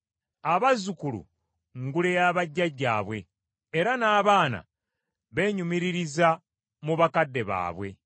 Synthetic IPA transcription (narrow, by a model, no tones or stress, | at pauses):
aβazukulṵ | ŋɡulejaːβaɟːaɟːaːβwe̞ː | ɾanaːβaːna̰ | βe̞ːɲumiɾiɾiza | muβakadːe̞βa̰ːβwe̞̰